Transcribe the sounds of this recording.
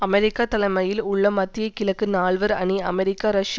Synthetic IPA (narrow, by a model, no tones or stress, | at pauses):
ɐmɛɾɪkːaːt̪ɐlɐɪmɐjɪlʊɭːɐmɐt̪ːɪjɐkɪlɐkːɯnaːɭʋɐɾɐniɐ̰mɛɾɪkːaːɾɐʂj